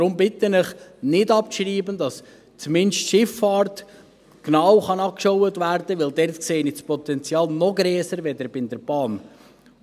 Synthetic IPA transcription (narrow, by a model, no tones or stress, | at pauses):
ɾʊmbɪtənɪχnɪdɑp̚ʃriːbəndɑs | t͡smɪnʃtʃɪfːɑːɾt | knɑwχɑnɑkʃɔwətvæɾd̥əʋɪldɛɾtkseːnɪspɔt̪ɛnt͡sjɑːlˠnɔɡɾɛːsəɾʋɛdəɾbɪnd̪əɾb̥ɑːn